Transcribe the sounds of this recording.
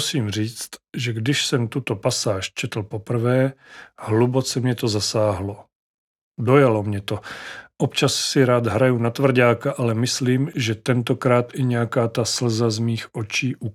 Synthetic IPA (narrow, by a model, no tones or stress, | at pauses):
siːmr̝iːt͡st̪ʒɛɡdɪʃsɛmt̪ut̪opasaːʃt͡ʃɛt̪l̩po̞pr̩vɛːhlubo̞t͡sɛmɲɛt̪o̞zasaːɦlo | do̞jalo̞mɲɛt̪o̞ʔopt͡ʃasːɪɾaːd̪ɦɾajunat̪vr̩ɟaːkaʔalɛmɪsliːmʒɛt̪ɛnt̪o̞kɾaːt̪ʔɪɲɛjakaːt̪asl̩zazmiːxʔo̞t͡ʃiːʔu